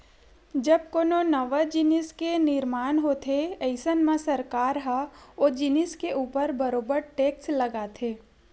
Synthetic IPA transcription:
d͡ʒɐb̚koːnonɐʋad͡ʒɪnɪskenɪɾmaːnɦoːt̪ʰeəɪsənmãsɐɾkaːɾɦaod͡ʒɪnɪskeʔuːpəɾbəɾoːbəɾʈeːkslɐɡat̪ʰeː

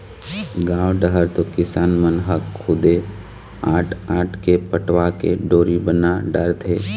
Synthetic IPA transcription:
ɡãːwɖəɦəɾt̪okɪsaːnmənɦəkʰːʊd̪e | aːʈʰaːʈʰkepəʈwakḛɖoːɾibənaɖəɾt̪ʰeː

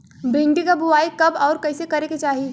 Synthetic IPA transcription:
bẽɳʈikabʱʊaːikɐbɔːɾkɐɪsekɐɾeket͡ʃaːɦi

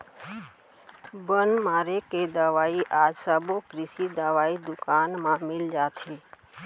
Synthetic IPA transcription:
bənmaːɾeked̪aʋaːiʔaːd͡ʒsabokɾɪsid̪aʋaːid̪ʊkaːnmãmɪld͡ʒaːt̪ʰe

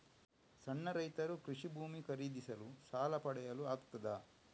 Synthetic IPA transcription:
sɐɳːɐɾɐjt̪ɐɾukɾiʂibʱuːmikɐɾiːd̪isɐlusaːlɐpɐɽɛjɐluaːkt̪ɐd̪ɐ

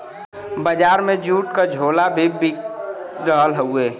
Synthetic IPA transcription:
bəd͡ʒaːɾmẽd͡ʒuːʈkad͡ʒʱoːlabʱibi | ɾəɦəlɦəueː

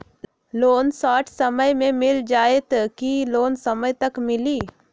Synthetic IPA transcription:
loːnsaːʈʰsɐməjmẽmɪld͡ʒaːet̪kiloːnsɐməjt̪ɐkmɪliː

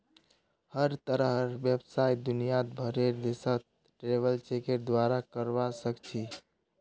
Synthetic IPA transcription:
həɾt̪əɾəɦɾbjəbsajd̪unijat̪bʱəɾeɾd̪esət̪̚ | ʈɾebəlt͡ʃekeɾd̪waɾakəɾbasəkt͡ʃʰi

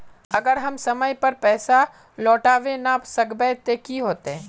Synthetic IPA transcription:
ɐɡəɾɦɐmsɐməjpɐɾpɛːsa | lɔːʈaːʋenapsɐɡbɛt̪eːkiɦoːt̪eɦɛ̃ː

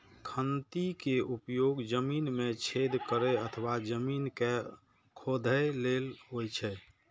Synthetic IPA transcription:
kʰənt̪ikeupjoɡd͡ʒəminmet͡ʃʰed̪kəɾɛət̪ʰəʋad͡ʒəminke | kʰod̪ʱəlelɦojt͡ʃʰɛ

